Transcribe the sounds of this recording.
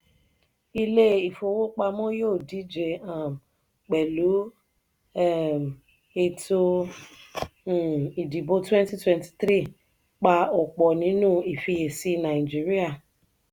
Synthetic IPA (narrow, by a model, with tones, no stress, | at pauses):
i˦le˦i˨fo˨wo˦k͡pa˧mo˦jo˦˨di˨˦d͡ʒe˨a˨m˨ | k͡pe˨lu˨˦˨ | e˨to˦˧˨ | i˨di˨bo˦twɛ̃˦nti˦twɛ˦nti̥˨t̪ɾi˦˨ | k͡pa˧ʊ˨k͡pɔ˨nĩ˨˦nũ˦˨i˨fi˧je˨si˧na˨d͡ʒi˦ɾi˦a˦˨